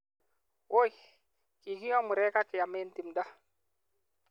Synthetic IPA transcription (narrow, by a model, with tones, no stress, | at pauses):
o˦j | ki˨ki˦jɔ˦mu˨ɾɛ˦ka˦kɪ˨ja˨me˦n˦ti˨mda˦